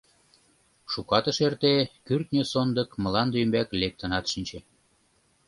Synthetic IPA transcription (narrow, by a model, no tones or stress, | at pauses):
ʃukɑt̪ə̆ʃert̪ekyrt̪nʲøsond̪ɤ̆kmə̆lɑnd̪ymbæklek̚t̪ə̆nɑt̪ʃinʲt͡ɕĕ